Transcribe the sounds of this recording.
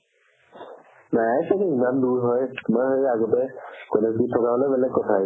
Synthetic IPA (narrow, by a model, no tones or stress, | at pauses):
najsakɛimanduɹɦɔjtumaɹxejaɡɔtɛkɔnakitʰːɔkabɔlɛbɛlɛɡkɔtʰa